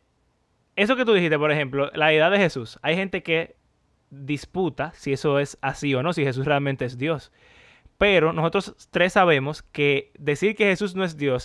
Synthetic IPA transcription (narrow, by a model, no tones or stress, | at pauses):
e̞so̞ke̞t̪uðihist̪e̞poɾehe̞mplo̞laeðaðe̞he̞susajhe̞nt̪e̞ke̞ | ðisput̪asie̞so̞e̞sasio̞no̞sihe̞s̬usre̞almẽnt̪e̞es̬d̪jo̞s | pe̞ɾo̞noso̞t̪ɾo̞st̪ɾe̞sːaβe̞mo̞ske̞ðe̞siɾke̞he̞sus̬no̞e̞s̬d̪jo̞s